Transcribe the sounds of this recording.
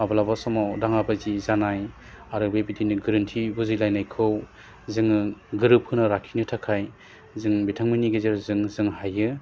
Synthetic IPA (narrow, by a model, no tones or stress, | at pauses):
abalabasɔmawdaŋabazizanaj | aɾɯbebidinɯɡɯɾɯntʰibuzilajnajkʰɯw | zɯŋɯɡɯɾɯp̚kʰɯnaɾakʰinɯtʰakʰaj | zɯŋbitʰaŋminiɡezeɾzɯŋzɯŋhajɯ